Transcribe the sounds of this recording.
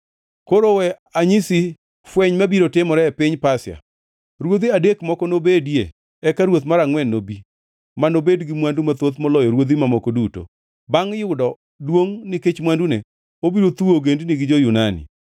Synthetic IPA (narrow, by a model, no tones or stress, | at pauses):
koɾowɛ | aɲisi | fwɛɲmabiɾotɪmɔɾɛɛpɪɲpasɪa̰ | ɾwod̪iadekmɔkɔnobedjḛ | ɛkaɾwot̪maɾaŋwɛnːobi | manobedɡɪmwandumat̪ot̪mɔlɔjɔɾwod̪imamɔkɔduto̰ | baŋjʊdɔ | dwoŋnɪket͡ʃmwandune | obiɾot̪uoɡendnɪɡɪd͡ʒojunanɪ̰